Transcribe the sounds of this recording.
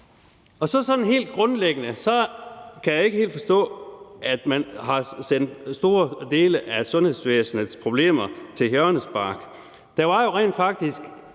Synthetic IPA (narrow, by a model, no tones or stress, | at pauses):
ɒ̽sɒ̽sɒ̽d̥n̩ɦe̝̰ːld̥̚ɡ̥ʁɔ̽nleɡ̥ənəsɒ̽kʰæjɑ̈e̝ɡ̥əhe̝̰ːld̥fɒ̽sd̥ɔ̰̽ːʔæd̥mænɦɑ̈sen̰d̥sd̥o̝ːɐd̥e̝ːləʔæsɔ̽nhe̝ðˠsʋeːsn̩əspʰʁo̝b̥le̝̰ːmɐt͡sʰe̝lɦøɐnəsb̥ɑ̈ːɡ̥ | d̥æʋɑ̈jo̝ʁḛːnd̥fɑ̈ɡ̥̚d̥isɡ̥